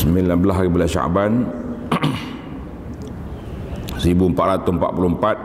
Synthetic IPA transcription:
səmilanbəlaɦaɣibəlaʃa̰ʔban | sibumpaʔɾat̪umpa̰ʔ̚pulumpat̪̚

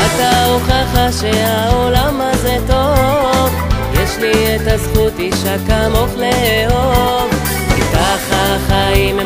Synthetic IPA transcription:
ataoχaχaʃeaolamazet̪o̞vjɛʃliet̪azχut̪iʃakamofleheo̞v | itaχaχaim

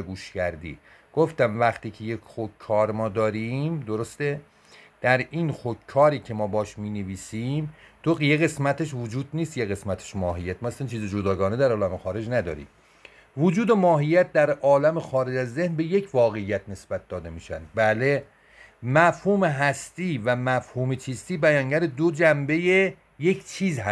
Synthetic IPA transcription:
ɡuːʃcæɾd̪ḭː | ɡ̥oft̪æmvæχt̪iːcʰejekxokʰːɒːɾmɒːd̪ɒːɾimd̪oɾost̪e | d̪̥æɾinxokʰːɒːɾiːcʰe̞mɒːbɒːʃmiːneviːsimt̪ʰoɢijeɣe̞smæt̪ʰeʃ̬vod͡ʒuːd̪̚niːst̪jeɣe̞smæt̪ʰe̥ʃmɒːɦijːæt̪̚mɒæsænt͡ʃʰiːzed͡ʒod̪ɒːɡɒːned̪æɾɒːlæmexɒːɾe̞d͡ʒnæd̪ɒ̰ːɾḭː | vod͡ʒuːd̪e̞mɒːɦijːæt̪̚d̪æɾɒːlæmexɒːɾe̞d͡ʒæzːehnbe̞je̞cʰvɒːɣe̞ijæt̪̚ʰne̞sbæt̪̚d̪ɒːd̪e̞miːʃæ̰nd̪bæle | mæfhuːme̞ɦæst̪iːvæmæfhuːmet͡ʃʰist̪iːbæjɒːŋɟæɾed̪od͡ʒæmbe̞je | je̞kʰt͡ʃʰiːzɦæ

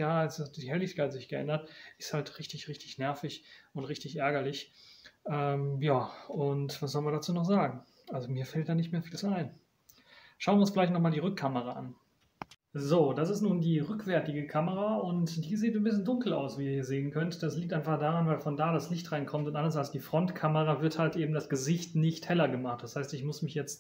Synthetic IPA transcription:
jaːasd̥iːhɛlɪçkʰaɪtz̥ɪçɡ̥əʔɛ̰ndɐtʔɪ̥sthaltʁɪçtɪçʁɪçtɪçnɛɐfɪçʔʊntʁɪçtɪçʔɛɐɡɐlɪçʔɛːmjaːʔʊntv̥as̬zɔlənviɐdat͡suːnɔχz̥aːɡŋ̩ | ʔalzomiːɐfɛltd̥aːnɪçtmeːɐfiːlt͡suaɪn | ʃaʊnvjɪʊnsfɡɪlaɪçtnɔχmaːldiːʁʏkʰːaməʁaʔa̰n | zoːdasɪstnuːndiːʁʏkv̥ɛɐtɪɡəkʰaməʁaʊntd̥iːziːtnbɪs̬çəndʊŋkl̩a̰ʊsv̥iːiiɐzeːənkʰœntd̥asliːktʔaɪnfaχd̥aːʁanvaɪlfɔndaːɾaslɪçtʁaɪnkʰɔmtʊntʔandɐsalsd̥iːfʁ̥ɔntkʰaməʁavɪɐthaltʔeːbm̩dasɡ̥əzɪçtnɪçthɛlɐɡəmaχt̚d̥ashaɪstɪçmʊsmɪçjɛt͡st

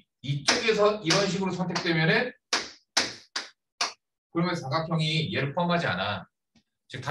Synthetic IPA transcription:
it͡ɕ͈oɡe̞sʰʌiɾʌnɕ̬ʰiɡɯɾosʰʌntʰe̞k̚t͈we̞mjʌnɯn | kɯɾʌmjʌntaɡak̚kt͡ɕʰʌŋijeɾpʰʌmɦad͡ʑia̰na | t͡ɕɯk̚t͈a

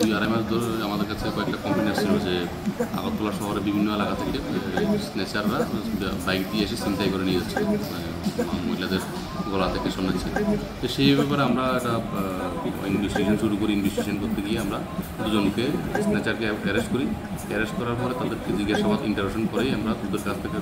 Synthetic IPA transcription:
iaɾamad̪ɔɾamad̪eɾkat͡ɕʰekɔɛk̚ʈakɔmpaniast͡ɕʰeɾobed͡ʑe | a̰ɡot̪̚ʰːɔlaʃɔɦoɾebibʱinːoelakat̪ʰekesnɛt͡ɕaɾːabajɡt̪ieʃ̬esint̪ajkɔɾenijotːʰil | amo̰ɦilad̪eɾ | ɡɔlat̪ʰekeʃɔmnet͡ɕʰil | t̪oʃejbɛpaɾeamɾaeʈa | inbʱesʈiʃonʃuɾukoɾiinbʱesʈiʃonkoɾt̪eɡijeamɾa | d̪ud͡ʑonkesnɛt͡ɕaɾkeɛɾesʈkoɾi | ɛɾesʈkɔɾaɾpɔɾet̪ad̪eɾked͡ʑiɡːaʃabad̪ḭɳʈaɾekʃonkɔɾejamɾad̪ɾud̪oɾkast̪ʰeke

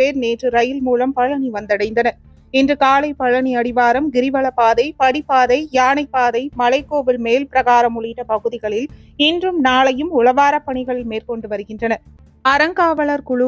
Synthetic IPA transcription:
eːɾneːʈrɯɾɐjɪlmuːlɐmpɐɭːɐniʋɐnd̪ɐɽɐɪnd̪ɐnɐ | ɛndrɯkaːlɐɪpɐɭːɐniɐɽɪʋaːɾɐmɡɪɾɪʋɐɭɐpaːðɐɪpɐɽipːaːðɐɪjaːnɐɪpːaːðɐɪmɐlɐɪkːoːbɪlmeːlpɪɾɐɣaːɾɐmʊɭɐɪʈːɐpɐɣɯðɪɣɐɭɪlɛndrɯmnaːɭɐjɯmʊlɐʋaːɾɐpːɐɳɪɣɐɭɪlmeːɾkɔɳɖɯʋɐɾɯɣɪndrɐnɐ | ɐɾɐŋɡaːʋɐɭɐɾkʊɭʊ

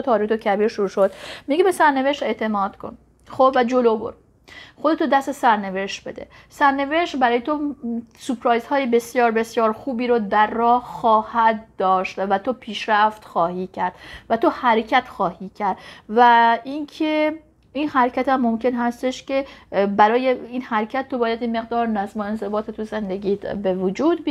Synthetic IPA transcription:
t̪ʰɒːɾiːet̪ʰocʰæbiːɾʃoɾuːʃod̪miɡebesæɾne̞ve̞ʃt̪e̞t̪ʰe̞mɒːd̪̥kʰo̞̰n | xobvæd͡ʒolobo̰ɾ | xod̪et̪ʰod̪æst̪esæɾne̞ve̞ʃt̪̚be̞̰d̪e̞̰ | sæɾne̞ve̞ʃt̪bæɾɒːjet̪ʰosupɾɑːjzhɒːjebe̞sjɒːɾbe̞sjɒːɾxuːbiːɾod̪æɾːɒːhxɒːhæd̪̚d̪ɒːʃt̪væt̪ʰopʰiːʃɾæft̪xɒːhiːcʰæɾd̪̥væt̪ʰohæɾecʰæt̪xɒːhiːcʰæɾd̪væinkʰe | inhæɾcʰæt̪æmːomcʰe̞nhæst̪eʃce̞bæɾɒːjeinhæɾcʰæt̪̚ːo̞bɒːjæd̪jemːe̞ɣ̚d̪ɒːɾnæzmoenze̞bɒːt̪ʰet̪ʰuzend̪eɡʲiːbe̞vod͡ʒuːd̪̚bi

